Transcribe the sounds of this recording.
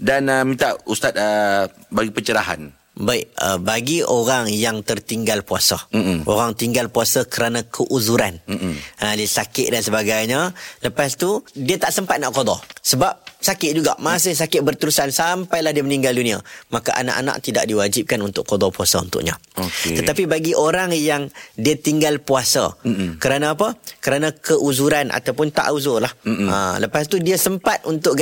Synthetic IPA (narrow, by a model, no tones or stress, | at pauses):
danəmint̪aʔust̪at̪̚əbaɡipət͡ʃəɾaɦa̰n | baɪʔ̚ə̰baɡioɾaŋjaŋt̪ərt̪iŋɡalpuasaʔo̰ɾaŋt̪iŋɡalpuasakəɾanãkʰəʔuzuɾanadisakɪʔ̪̚dansəbaɡajɲələpast̪udiət̪aʔsəmpat̪̚naʔkodɔsəbap̚sakɪʔ̪̚d͡ʒuɡa̰ʔmas̬əs̬akɪt̪̚bərt̪əɾusansampajlahdiəməniŋɡaldunĩa̰makaʔa̰na̰ʔana̰ʔt̪ida̰ʔdiwad͡ʒip̚kanunt̪ʊʔkːodɔpuasa̰ṵnt̪ʊ̰ʔɲãt̪ət̪apibaɡiʔoɾaŋjaŋdiət̪iŋɡalpuasa̰kəɾanãːpəkəɾanãkʰəʔuzuɾanʔa̰t̪awpʊnt̪a̰ʔuzʊrlahə̰ləpast̪udiəsəmpat̪̚ʔunt̪ʊʔ